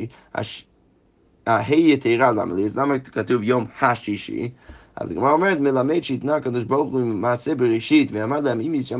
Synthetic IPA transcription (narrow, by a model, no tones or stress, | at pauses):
a̰ʃ | aheɪjətʰeɪɾalˠa̰m̰lˠislˠamakatuvjomhaʃiʃḭa̰zdɪɡɪmɔɾmɛɾtmɪlˠameɪdʃitnaakɔdɪʃbɔɾχuɪmmaːsɛbɪɾɛʃitvɪamadlˠɛmimisʃa